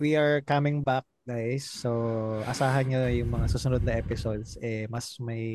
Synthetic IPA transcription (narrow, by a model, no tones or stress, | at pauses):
wiʔɐɹkɐmɪŋbak̚ɡajsːoʔɐsaːɦɐnɲojʊŋmɐŋasuːsʊnod̪nɐʔɛpɪsod̪sʔɛmɐsmɐj